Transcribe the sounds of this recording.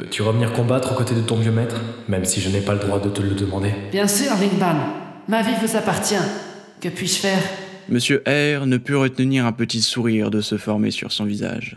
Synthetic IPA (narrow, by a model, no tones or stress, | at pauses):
pø̰t̪ʰyʁəvəniʁkɔ̃bat̪χokot̪ed̪ət̪ɔ̃vjømɛt̪χmɛmsiʒənɛpaləd̪ʁwad̪ət̪ələd̪əmɑ̃d̪eb̥jɛ̃syːʁlĩŋbal | mavivuzapaʁt̪jɛ̃ | kəpɥiʃfɛːʁ | məsjøʔɛʁnəpyʁət̪niʁɛ̃pət̪isuʁiʁd̪əsəfɔʁmḛsy̰ʁsɔ̃viza̰ʒ